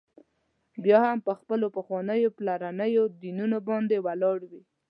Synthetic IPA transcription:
bjɑhampəxpəlopəxwɑnəjoplaɾanəjod̪inunobɑnd̪ewalɑɽwi

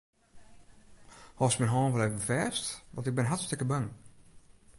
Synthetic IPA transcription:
hɔsmɛnɦɔːnʋɔlevəəfɛːstʋɔntɪɡ̚bɪnɦastɪkəbaŋ

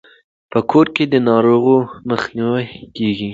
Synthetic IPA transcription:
pəkʰoɾked̪ənɑɾoɣoməxniwakeɡi

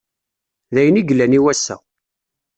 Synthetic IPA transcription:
ðæjəniɡlːæniwæsːæ̰

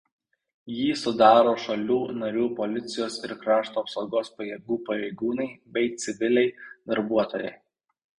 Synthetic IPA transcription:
jiːsʊd̪ɑːɾoːʃɐlʲuːnɐɾʲuːpɔlʲɪt̪sʲɪjoːsɪɾkɾɑːʃt̪uːɐpsoʊɡoːspɐjɛɡuːpɐɾʲɛɪɡuːnɐɪbʲɛɪt̪sʲɪʋʲɪlʲɛɪd̪ɐɾbuɔt̪oːjɛ̰ɪ

